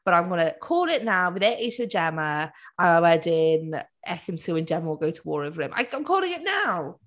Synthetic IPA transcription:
b̥ʌɾãɪ̃mɡʌnəkʰɔːlˠɪʔnaʊwɪðɛʔisəd͡ʒɛməʔaawɛdɪnʔɛkə̃nsʰʉːə̃nd͡ʒɛməwɪlˠɡoʊtʰəwɔ̰ːɹəvəɹʉ̃mʔa̰ɪaɪ̃mkʰɔːlˠɪ̃ŋɪʔnaʊ

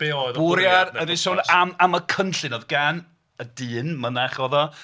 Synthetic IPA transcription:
b̥eɔðʊɾjarədɪʃonamaməkʰənɬɨnɔðɡan | ədɨːnmənaχɔðɔ

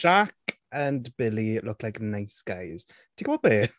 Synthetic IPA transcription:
ʒ̥ak | ə̃nbɪlilʊkʰlajknaɪsɡ̥aɪz̥ | tʰɪkwɔb̥eː

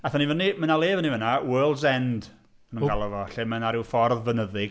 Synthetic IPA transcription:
aθanivənimənalˠeːvənivənawɛlˠzɛnd | mənũːɡalˠɔvɔɬɪmənaɾɪwfɔrðvənəðɪɡ̥

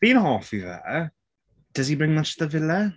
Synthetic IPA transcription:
b̥ĩnɦɔˑfiðə̰ | d̥əz̥ibɹɪ̃ŋmətəðəvɪlə

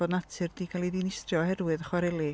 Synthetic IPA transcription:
oːdnatʰɨrd̥iːkʰalˠiðinɪstrjɔhɛrwɨðəχwaɾɛlˠi

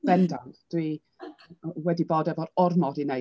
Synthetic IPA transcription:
b̥ɛndad̥wi | wɛdiboːdɛvɔɾɔrmɔdine

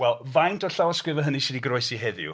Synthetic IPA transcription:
wɛlˠvajntʰɔɬawɔskɾɪvəɦənisɪdiɡroɨsiɦɛðjʊ̰

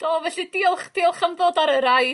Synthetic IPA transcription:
d̥oːvɛɬidiʊlˠχd̥iːlˠχəmðoːdaɾəɾaj

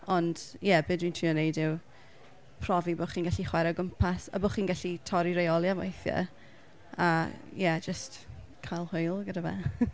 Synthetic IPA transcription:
ɔnd̥jɛbɨːdwintʰriːɔnejdɪw | pʰrɔviboχiːnɡaɬiχwɛɾɔɡəmpʰasə̰bɔχiːnɡaɬitʰɔɾiɾejɔlˠjama̰jθjə̰ | ajɛd͡ʒəst | kʰajlˠhʊjlˠɡədavɛ̰

